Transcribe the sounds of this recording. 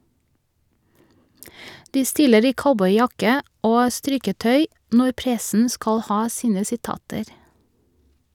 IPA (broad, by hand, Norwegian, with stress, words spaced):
ˈdiː ˈstɪləɹ ˈiː ˈkaʊbɔʏˌjɑkə ˈʔoː ˈstɾɪkəˌtœʏ ˈnɔ ˈpɾɛsn̩ ˈskɑl ˈhɑː ˈsiːnə sɪˈtɑːtəɾ